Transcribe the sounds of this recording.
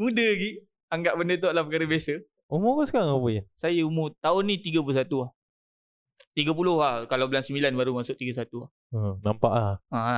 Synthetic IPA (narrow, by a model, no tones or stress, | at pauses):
mũdəɡi | aŋɡaʔbəndət̪̬oʔlahpəkaɾəbasə | umʊkəskaŋapəjasajəumʊt̪aʊnːĩt̪iɡəpulosat̪uah | t̪iɡap̬ulʊhahkalawbəlansəmbilanbaɾumasʊʔ̚t̪iɡas̬at̪uah | ənampa̰ʔlaha